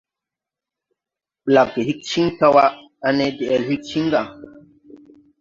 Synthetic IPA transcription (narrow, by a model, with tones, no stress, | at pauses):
ɓla˨ki˨hi˦k̚t͡ʃi˦ŋta˦wa˦ | a˦nɛ˦dɛ˨ʔɛ˨lhi˦k̚t͡ʃi˦ŋ˦ɡa˦˨